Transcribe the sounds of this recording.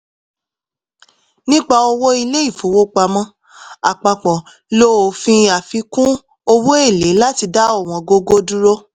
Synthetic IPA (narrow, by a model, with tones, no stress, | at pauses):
nĩ˦k͡pa˧o˧wo˦i˧le˦i˦˨fo˨˦wo˦k͡pa˧mɔ̃˦ | a˨k͡pa˨k͡pɔ̃˨ | lo˦o˨fĩ˧a˨fi˨˧kũ˦ | o˧wo˦e˦˨le˨˦la˦ti˧da˦ɔ˦˨w̃ɔ̃˧ɡo˧ɡo˦du˦ɾo˦